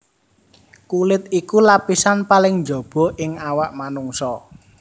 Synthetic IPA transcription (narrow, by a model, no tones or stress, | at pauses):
kulɪt̪ikulapisanpalɪŋnd͡ʒɔ̤b̥ɔ̤ʔɪŋawaʔmanuŋsɔ